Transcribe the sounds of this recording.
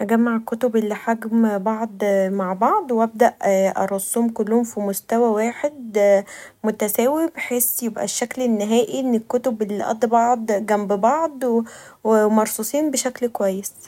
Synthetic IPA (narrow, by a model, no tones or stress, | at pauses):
ʔæɡæmːaʕekːot̪obʔelːiħaɡmbɑʕd̪ˤmaʕbɑʕd̪ˤwʔæb̚d̪æʔʔʔɑ̰ɾˤɑsˤːuːmkʊlːuhomfimost̪æwæwaːħed̪ | mʊt̪æsæːwibħeːsjebʔæ̰ʃːæklenːɪɦæːʔiʔenːekːot̪obʔelːiʔɑ̰d̪ˤbɑʕd̪ˤɡæmbbɑʕd̪ˤwmɑɾˤsˤusˤiːnbeʃæklkwæjːes